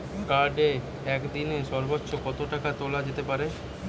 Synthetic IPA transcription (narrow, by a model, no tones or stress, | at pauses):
kaɾɖe | ɛkd̪ineʃɔɾbotːʃokɔt̪oʈakat̪olad͡ʑet̪epaɾe